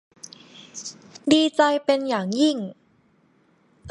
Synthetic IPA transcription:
diː˧t͡ɕa˧jpe˧njaː˨˩ŋji˥˩ŋ

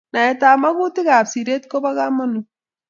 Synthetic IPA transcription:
na˨ɛ˨ta˨ma˦ku˦tɪ˦ka˨psi˨ɾe˦t̚ko˦ba˦ka˦mɔ˦nu˨

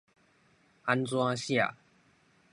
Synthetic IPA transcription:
a˧˦nt͡swã˦ɕja̰˥˨

